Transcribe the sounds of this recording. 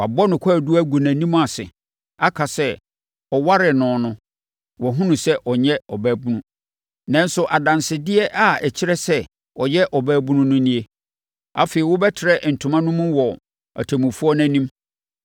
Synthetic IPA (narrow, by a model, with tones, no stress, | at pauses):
a˨bɔ˦nʊ̃˨kʷʰa˦˨du˦æ˦ɡu˨næ̃˨nĩ˦m̃˦a˨sɪ̰˨ | a˦kʰa˨sɛ˦ | ɔ˨wa˦ɾɪ˨nʊ̃˨nʊ̃˦ | wɔ˨ɦʊ̃˦nũ˨sɛ˦ʔɔ˨ɲɛ̃˦ɔ˨bæː˨˦bũ˦nũ˦ | nã˦n̩˦sʊ˦ʔa˨dã˨nsɪ˨dɪ˦ɛ˦ʔa˦˨ɛ˨t͡ɕʰɪ˦ɾɛ˦sɛ˦ | ɔ˨jɛ˦ʔɔ˨bæː˦bũ˦nũ˦nʊ̃˦nĩ˦e˦ | a̰˨feː˨ɾi˨wʊ˦bɛ˦tʰɪ˨ɾɛ˦˨ʔn̩˨tʰʊ̃˨mã˦nʊ̃˦mʊ̃˦wɔ˨ | a̰˨tʰæ˨mũ˨fu˦ɔ˦næ̃˨nĩ˦m